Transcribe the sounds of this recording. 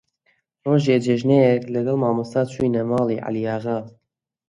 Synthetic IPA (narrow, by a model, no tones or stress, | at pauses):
roːʒeːd͡ʒeʒnejɛklɨɡɛlmɑːmɨst̪ɑːt͡ʃʰujnɛmɑːliːʕa̰lijɑːɣɑ